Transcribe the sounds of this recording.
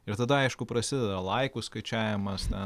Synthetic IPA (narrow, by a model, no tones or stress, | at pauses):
ɪɾt̪ɐd̪ɐɐɪʃkʊpɾɐsʲɪd̪ʲɛd̪ɐlˠɐɪkʊskɐɪt͡ʃʲæːʋʲɪmɐst̪ʲɛ